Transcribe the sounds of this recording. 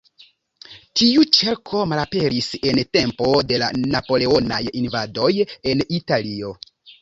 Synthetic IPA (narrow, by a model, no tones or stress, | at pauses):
tiut͡ʃe̞ɾkʰo̞malape̞ɾise̞nte̞mpo̞de̞la̰napo̞le̞o̞na̰jinvado̞je̞nitalio̞